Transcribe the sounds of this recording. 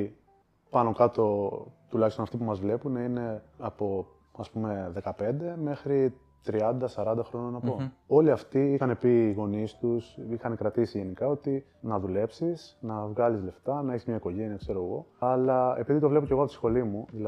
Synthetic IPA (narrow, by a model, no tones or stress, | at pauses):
pɐno̞kɐt̪o̞t̪ulɐçistonɐft̪ipumɐzvle̞puneine̞ɐpo̞ | ɐspume̞ðe̞kɐpe̞nd̪e̞me̞xɾi | t̪ɾiɐnd̪ɐsɐɾɐnd̪ɐxɾo̞nɐnɐpo̞o̞liɐft̪iixɐne̞piːɣo̞nist̪usixɐnekɾɐt̪isiʝe̞nikɐo̞t̪i | nɐðule̞psisnɐvɣɐlizle̞ft̪ɐnɐeçizmɲɐiko̞ʝe̞niɐkse̞ɾo̞ɣo̞ɐlɐe̞̰piðit̪o̞vle̞po̞ceɣoɐpot̪isxo̞limuðilɐ